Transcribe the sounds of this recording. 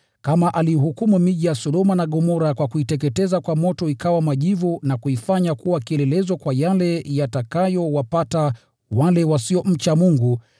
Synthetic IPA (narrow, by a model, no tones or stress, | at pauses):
kamaʔalihukumumiʄijasɔɗɔmanaɠɔmɔɾakwakuitɛk̬ɛtɛzakwamɔtɔikawamaʄivunakuifaɲakuwakiɛlɛlɛzɔkwajalɛjatakajɔwapata | walɛwasiɔm̩t͡ʃamuŋɡu